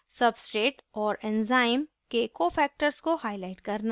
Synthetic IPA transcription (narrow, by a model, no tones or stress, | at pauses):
sɐbsʈɾeːʈɔːɾɛ̃nzaːɪm | kekoːfɛːk̚ʈəɾskohaːɪlaːɪʈkɐɾna